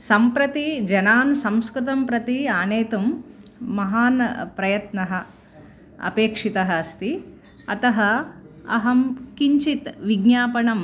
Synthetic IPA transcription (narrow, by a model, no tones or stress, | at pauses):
sɐmpɾɐt̪id͡ʒɐnaːnsɐ̃mskɾut̪ɐmpɾɐt̪iaːneːt̪umː | ɐɦaːnpɾɐjɐt̪nɐɦɐ | ɐ̰peːkʂit̪ɐɦɐɐst̪iɐt̪ɐɦɐɐ̰ɦɐmkiɲt͡ʃit̪ʋiɡnjaːpɐɳɐm